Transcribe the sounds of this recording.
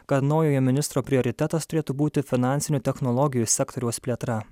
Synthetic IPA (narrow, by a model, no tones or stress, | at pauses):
kɐt̪nɒʊjoːjɛmʲɪnʲɪst̪ɾoːpʲɾʲɪɔɾʲɪt̪ʲɛt̪ɐst̪ʊɾʲeːt̪ubuːt̪ʲɪfʲɪnɑˑnʲtsʲɪnʲut̪ʲɛxnɔlˠɔɡʲɪjusʲɛkt̪ɔɾʲɛʊspʲlʲeːt̪ɾɐ